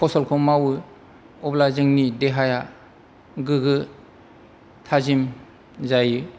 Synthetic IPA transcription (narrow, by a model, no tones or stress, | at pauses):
pʰɔsɔlkʰɔmawɯ | ɔblazɯŋnideɦaja | ɡɯɡɯ | tʰazim | zajɯ